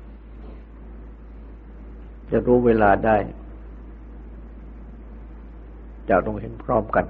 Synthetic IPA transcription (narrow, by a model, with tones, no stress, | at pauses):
t͡ɕa˨˩ɾuː˦˥weː˧laː˧daː˥˩j | t͡ɕa˨˩t̪ɔ˥˩ŋhe˦˥npʰɾɔː˥˩mka˧n